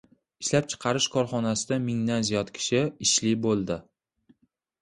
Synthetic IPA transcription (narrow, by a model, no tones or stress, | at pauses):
ɪʃlap̚t͡ʃʰɨ̥qʰɑɾɪʃkʰɒɾχɒnasɪd̪amɪŋd̪anzijɒt̪kʲʰɪ̥ʃɪɪʃlɪbolˠd̪ɪ